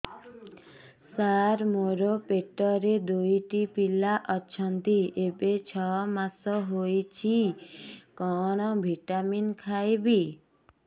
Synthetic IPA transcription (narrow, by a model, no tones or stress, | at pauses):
saɾmoɾopeʈɔɾed̪ujʈipilaʔɔt͡ʃʰɔnt̪iebet͡ʃʰɔmasɔɦojt͡ʃʰi | kɔɽ̃ɔbʱiʈaminkʰajbi